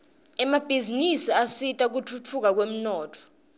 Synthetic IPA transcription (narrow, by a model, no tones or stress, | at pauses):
ɛmab̥ʱizinisiasitʼak̬utʰutʰuk̬ak̬wem̩nɔːtʰɔ̥